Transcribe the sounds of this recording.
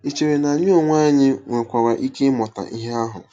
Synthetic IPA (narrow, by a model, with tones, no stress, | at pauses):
i˨t͡ʃe˨ɾe˨na˨ɲ˦o˦˨ŋʷa˦ɲɪ˦ŋʷe˨kʷa˨wa˨ʔi˦ke˦mɔ˨ta̰˨ʔi˦ɦe˦a˦ɦʊ̰˨